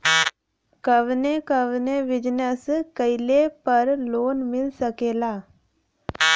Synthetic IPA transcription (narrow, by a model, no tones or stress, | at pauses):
kəʋnekəʋneʋɪd͡ʒnəskəɪlepəɾloːnmɪlsəkeːlaː